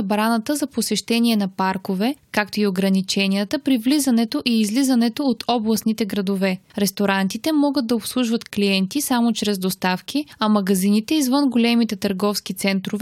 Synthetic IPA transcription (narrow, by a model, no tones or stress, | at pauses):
bɾanət̪əzɐposɛʃt̪ɛnʲiɛnɐpaɾkovɛkak̚t̪oioɡɾɐnit͡ʃɛnijət̪əpɾivlizɐnɛt̪oʔiːzlizɐnɛt̪oːt̪ʰɔblˠɐsnit̪ɛɡɾɐd̪ovɛɾɛst̪oɾant̪it̪ɛmɔɡət̪̚d̪ɐopslˠuʒvət̪kliɛnt̪isamot͡ʃɾɛzd̪ost̪afkʲiɐmɐɡɐzinit̪ɛizvɤnɡolɛmit̪ɛt̪əɾɡɔfsk̟it̪sɛnt̪ɾov